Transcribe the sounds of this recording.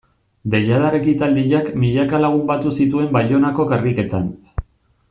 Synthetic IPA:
d̪e̞ʎaðaɾekit̪ald̪iʎakmiʎakalaɣ̞umbat̪usit̪ue̞mbaʎo̞nako̞karike̞t̪an

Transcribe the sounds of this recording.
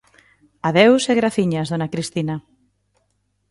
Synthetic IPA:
aðewseɣɾaθiɲaðonakɾist̪ina

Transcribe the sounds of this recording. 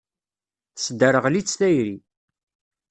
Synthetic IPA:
sd̪əɾəʁlit͡sːlæjɾi

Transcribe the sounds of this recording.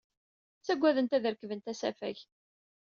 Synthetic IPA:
t͡sːæɡʷːæðənt̪æðəɾkəvənt̪æsæ̰fæ̰ç

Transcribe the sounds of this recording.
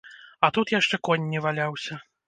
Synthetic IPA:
ɐt̪ut̪jaʂt͡ʂɛkɔnʲːivalʲawsʲɐ

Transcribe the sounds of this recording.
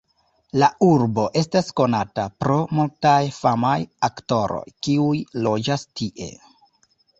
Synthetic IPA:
lauɾbo̞ʔe̞stasko̞natapɾo̞multajfamajakto̞ɾo̞̰jkiujlo̞d͡ʒastiʔe̞̰

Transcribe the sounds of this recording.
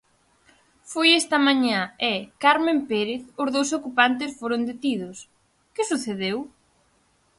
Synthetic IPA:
fojɛst̪ɐmãɲaɛkaɾmẽmpeɾeθʊzðowsokupant̪ɪsfoɾʊnd̪et̪iðʊs | kɪsuθeðew

